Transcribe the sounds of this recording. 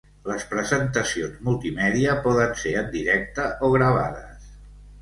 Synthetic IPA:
ləspɾəzənt̪əsionzmulˠt̪imɛðiəpɔðənseənd̪iɾɛk̚t̪əʔoɣ̞ɾəβ̞a̰ðəs

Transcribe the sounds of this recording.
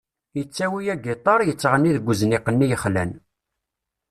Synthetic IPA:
jət͡sːæwijæɡit̪ˤɑɾˤjət͡sːʁənːiðɡʷəzənɪqənːijəχlæ̰n

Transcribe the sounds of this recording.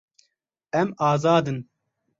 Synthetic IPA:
ɛmɑːzɑːd̪ɨn

